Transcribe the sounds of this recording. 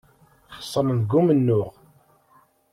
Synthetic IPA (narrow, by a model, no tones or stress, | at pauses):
sˤːənənɡːumənːʊʁ